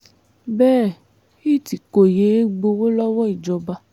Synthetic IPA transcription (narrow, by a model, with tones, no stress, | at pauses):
bɛː˦˨ | i˦˨ti˨ko˨je˨˦ɡ͡bo˧wo˦lɔ˦wɔ˦i˨d͡ʒɔ˧ba˧